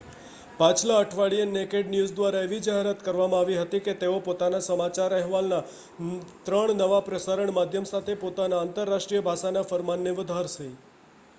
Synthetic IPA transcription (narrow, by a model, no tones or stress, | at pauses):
pat͡ʃʰlaəʈʰʋaɭiənekeɖnjuzd̪ʋaɾaeʋid͡ʒaɦeɾat̪kəɾʋamãaʋiɦət̪iket̪eopot̪anasəmat͡ʃaɾəɦʋalna | t̪ɾəɳnəʋapɾəsaɾəɳmad̪ʱjəmsat̪ʰepot̪anaːnt̪əɾːaʃʈɾijəbʱaʃanafəɾmanːeʋəd̪ʱaɾsəi